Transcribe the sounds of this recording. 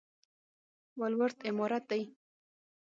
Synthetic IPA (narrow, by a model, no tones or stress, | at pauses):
walwaɾt̪ɪmɔɾat̪̚d̪aj